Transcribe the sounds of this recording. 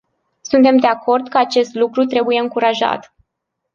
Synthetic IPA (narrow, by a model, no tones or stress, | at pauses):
sunt̪e̞md̪e̞ako̞rd̪kəat͡ʃe̞st̪lukɾut̪ɾe̞buje̞ɨŋkuɾaʒa̰t̪